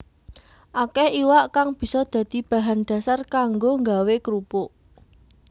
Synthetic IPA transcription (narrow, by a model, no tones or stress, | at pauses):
ʔakɛhiwaʔkaŋb̥i̤sɔd̪̥ä̤d̪̥i̤b̥a̤ɦanɖ̪̥a̤sarkaŋɡoŋɡawekɾupoʔ